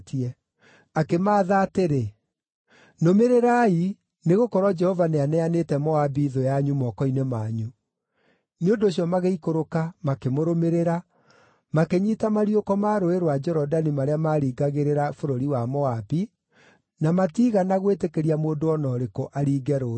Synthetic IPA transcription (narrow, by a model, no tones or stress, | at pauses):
tiɛ | akemaːðateɾe | nomeɾeɾai | neɣokɔɾɔd͡ʒɛhɔvaneanɛanetɛmɔabiːðojaɲumɔkɔinemaɲu | neondoːɕ̬jɔmaɣeikoɾokamakemoɾomeɾeɾa | makeɲitamaɾiokɔmaɾoeɾwad͡ʒɛɾɔdanimaɾeamaɾiːɡaɣeɾeɾafoɾoɾiwamɔabi | namatiːɣanaɣwetekeɾiamoːndoɔnɔɾekoʔaɾiːɡɛɾo